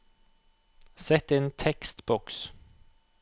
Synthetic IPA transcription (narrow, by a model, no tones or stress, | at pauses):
sɛt̪eːnt̪ʰɛkst̪bɔks